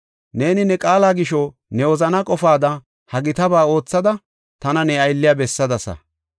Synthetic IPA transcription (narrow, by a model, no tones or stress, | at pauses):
ne̞ːnɪnɛkʼaːlaːɡɪʃɔ | nɛwɔzɐnɐkʼɔfaːd̪ɐ | hɐɡɪt̪ɐbaːo̞ːt͡sːɐd̪ɐ | t̪ɐnɐnɛɐjlːɪjabɛsːɐd̪ɐsɐ̰